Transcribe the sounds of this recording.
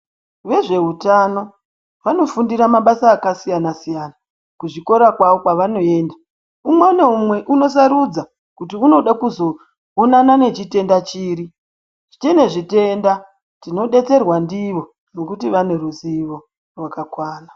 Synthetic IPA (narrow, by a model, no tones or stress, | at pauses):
ʋe̞ʐe̞ɦutano̞ | ʋano̞fundiɾamaɓasaːkasijanasijana | kuʐiko̞ɾakwaʋo̞kwaʋano̞e̞ːnda | umweneumwe̞ʔuno̞s̬aɾud͡za | kutiuno̞ɗakuzo̞ | onanane̞t͡ʃite̞ndat͡ʃiːɾi | ʐ̥it͡ʃene̞ʐite̞nda | tino̞ɗe̞t͡se̞rwandiʋo̞ | no̞kutiʋane̞ruziʋo̞ | rwakakwaːna